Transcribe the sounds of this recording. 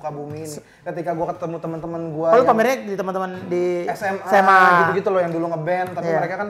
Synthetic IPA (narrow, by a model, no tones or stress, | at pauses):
kabumini | kət̪ikaɡuakət̪əmut̪əmənt̪əmənɡuaalupamiɾɲadit̪əmənt̪əməndiɛksɛmsɛmaiɡ̪ɡit̪ulojaŋduluŋəbɛnt̪aijiaəɾekakan